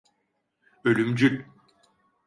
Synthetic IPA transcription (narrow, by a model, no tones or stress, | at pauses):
ølʲymd͡ʒylʲ